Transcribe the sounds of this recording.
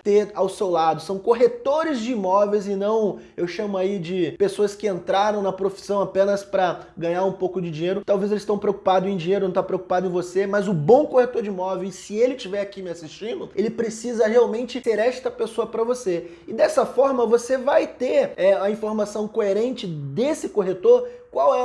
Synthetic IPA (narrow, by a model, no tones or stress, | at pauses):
t̪eawsewlad̪ʊsɐ̃w̃koɦet̪oɾɪzd͡ʒɪimɔvejzɪnɐ̃w̃ | ewʃɐ̃mʊaid͡ʒɪpesoɐskɪẽnt̪ɾaɾɐ̃w̃nɐpɾofi̥sɐ̃w̃apẽnɐspɾɐɡɐ̃ɲaɾũpowkʊd͡ʒɪd͡ʒĩɲejɾʊt̪awvezelɪst̪ɐ̃w̃pɾeowku̥pad̪ʊzẽj̃d͡ʒĩɲejɾʊnɐ̃t̪apɾeoku̥pad̪ʊẽj̃vosemɐzʊbõw̃kohet̪oɾd͡ʒɪimɔvewɪsɪelɪt͡ʃivɛɾakimɪasist͡ʃĩnd̪ʊelɪpɾesizɐɦeawmẽnt͡ʃɪseɾɛst̪ɐpesoɐpɾɐvose | ɪd̪ɛsɐfɔɾmɐvosevajt̪eɾɛɐĩfoɾmasɐ̃w̃koeɾẽnt͡ʃɪd̪esɪkoɦet̪oɾkwawɛ